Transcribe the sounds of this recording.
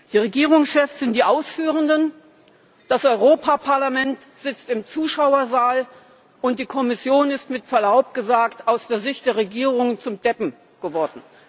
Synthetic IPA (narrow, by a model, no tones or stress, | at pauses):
d̥iːʁeɡiːʁ̞ʊŋsʃɛfsz̥ɪnt̚d̥iːʔaʊsfyːʁ̞əndən | d̥asʔɔʏʁoːpʰapʰaɐlamɛntz̥ɪt͡stɪmt͡suːʃaʊɐzaːl | ʔʊnt̚d̥iːkʰɔmɪsjoːnɪstmɪtfɛɐlaʊp̚ɡ̥əzaːktaʊsd̥eːɐzɪçt̚d̥eːɐʁ̞eɡiːʁʊŋənt͡sʊmd̥ɛpm̩ | ɡ̥əvɔɐdn̩